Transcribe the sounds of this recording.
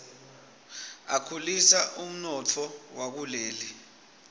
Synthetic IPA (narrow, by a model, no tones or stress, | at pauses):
akʰulisaʔum̩nɔt͡fʰɔwak̬uleːli